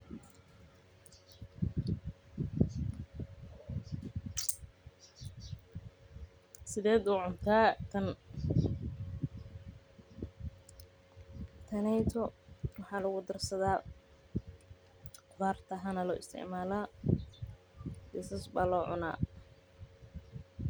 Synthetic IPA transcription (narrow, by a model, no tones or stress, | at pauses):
sɪðɛːd̪ʊːʕʊnt̪ʰaːt̪ʰɐn | t̪ʰɐnɛjt̪ʰɔwɑħɑːlʊɣʊd̪ɐrsɐðaː | qʊðaːrt̪ʰɐɦɐnɐlɔːɪ̰st̪ʰɪ̰ʕmaːlaː | d̪ɪsɐsbaːlɔːʕʊ̰na̰ː